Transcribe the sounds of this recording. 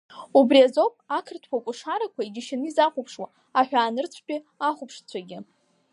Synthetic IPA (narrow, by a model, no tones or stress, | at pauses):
ubriazo̞pʼakʰɨrtʰkʰʷakʷʼuʂaɾakʷʰaiɡʲɪʃanɨizaχʷʊpʰʂwa | aħᶣaːnɨrt͡sʷʰkʲʼi | aχʷʊpʰʂt͡sʷʰaɡʲɪ